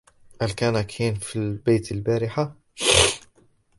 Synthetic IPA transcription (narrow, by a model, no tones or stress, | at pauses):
hælkænækʰinfilbejt̪əlbæɾɪħa